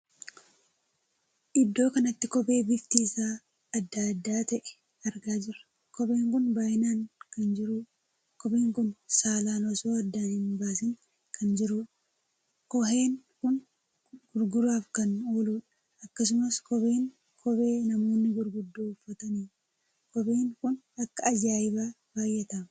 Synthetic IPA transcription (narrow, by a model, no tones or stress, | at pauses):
ʔɪd̪ːo̞ːkɐnɐt̪ːɪkɔbe̞ːbɪft̪iːsaː | ɐd̪ːad̪ːaːt̪ɐʔɛ̥ | ɐɾɡaːd͡ʒɪɾɐ̥ | kɔbe̞ːŋkʊnbaːjɪnaːŋkɐnd͡ʒɪɾuːᶑ | kɔbeːŋkʊnsaːlaːlɔsoːɐd̪ːaːnhɪnbaːsɪŋ | kʰɐnd͡ʒɪɾuːᶑ | kɔɦe̞ːŋkʊn | ɡ̥ʊɾɡʊɾaːfkɐno̞ːluːᶑɐ̥ | ɐkːɐs̬ʊmɐskɔbe̞ːŋ | kʰɔbe̞ːnɐmo̞ːnːɪɡʊɾɡʊd̪ːoːʊfːɐt̪ɐniː | kɔbeːŋkʊn | ɐkːɐːd͡ʒaːjɪbaː | b̥aːjːɛt̪ɐmɐ